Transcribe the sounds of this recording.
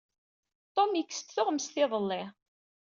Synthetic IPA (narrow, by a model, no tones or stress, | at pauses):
t̪ˤomjəkːə̥st̪θʊʁmsθɪðˤəlːɪ